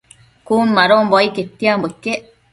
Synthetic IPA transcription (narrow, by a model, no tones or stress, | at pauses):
kuːnmaɾombɔiket̪ːiambokːe